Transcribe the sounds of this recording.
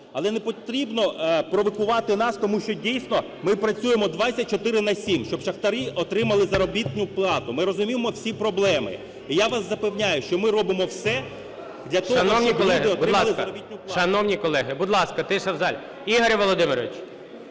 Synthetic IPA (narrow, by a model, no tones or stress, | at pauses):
ɐlˠɛnepɔt̪ɾʲibnɔpɾɔʋɔkʊʋɑt̪ɪnɑst̪ɔmuʃt͡ʃɔdʲijsnɔ | mɪpɾɐt͡sʲujemɔd̪ʋat͡sʲsʲːɐt̚ʲt͡ʃɔt̪ɪɾɪnɐsʲimʃt͡ʃɔbʃɐxt̪ɐɾɪʔɔt̪ɾɪmɐlˠɪzɐɾɔbʲit̪ʲnʊplˠɑt̪ʊmɪɾɔzʊmʲiʋemɔwsʲipɾɔblˠɛmɪ̰ | ijaʋɑszɐpewnʲajʊʃt͡ʃɔmɪɾɔbɪmɔwsɛ | d̪lʲɐt̪ɔɦɐnɔwnʲiɔlˠɛɦdɪɔbʊdɪlˠɐɑlˠɪzkɐɾɔbʲit̪ʲnʲʊplˠʃɐnɔwnʲikɔlˠɛɦɪbʊd̪lˠɑskɐt̪ɪʃɛwzɑlʲ | iɦɐɾʲiʋɔlˠɔd̪ɪmɪɾɔʋʲɪt͡ʃ